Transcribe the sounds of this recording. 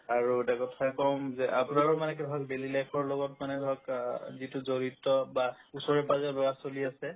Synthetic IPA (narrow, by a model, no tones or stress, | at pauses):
aɹuetakɔtʰakɔmzɛʔapunaɹumanɛk̬ɛdʱɔakbelilajpʰɔɹlɔɡɔtmanɛdʱɔakzitʊzoɹitɔba | usɔɹɛpazɔbɛbasoliasɛ